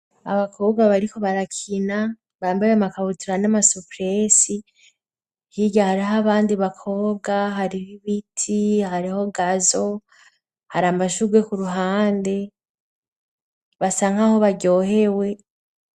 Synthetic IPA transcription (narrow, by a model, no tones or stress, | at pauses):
a̰βakʰo̞ːbɡaβaɾiko̞βaɾakʰina | βaːmbajamakaβutʰuɾanamasupɾesi | hiɟahaɾiɦaβaːndiβakʰo̞ːbɡaɦaɾiβiβitʰihaɾiho̞ɡazo̞ | haɾamaʃuɡwe̞kuɾuɦaːnde̞ | βasaːŋ̥haho̞βaɟo̞ːhe̞we̞